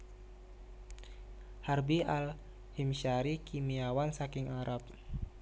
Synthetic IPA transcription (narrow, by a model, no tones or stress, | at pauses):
harbial | himʃaɾikimiawansakɪŋaɾap̚